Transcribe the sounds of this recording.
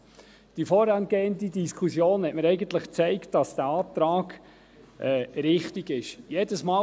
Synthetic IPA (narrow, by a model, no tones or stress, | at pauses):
d̥ifɔːɾɑnɡ̥eːəndidiskʰχusjoːnhɛtməɾɛɪɡənt̪ləχt͡sɛɪktd̥ɑsd̥æɑːt̪ɾɑːɡ | ʔɛɾɪχtiɡɪʃjedəsmɑː